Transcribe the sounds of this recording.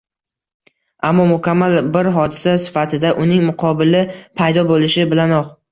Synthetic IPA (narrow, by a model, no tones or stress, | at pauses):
amːɒmʊkʲʰamːalbɪɾɦɒd̪ɪsasɪ̥fat̪ʰɪd̪aʔʊnɪŋmʊqʰɒbɪlɪpʰajd̪ɒbolɪʃɪbɪlanɒq